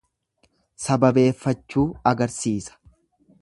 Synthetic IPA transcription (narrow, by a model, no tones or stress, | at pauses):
sɐbɐbe̞ːfːɐt͡ʃːuːɐɡɐɾsiːsɐ̥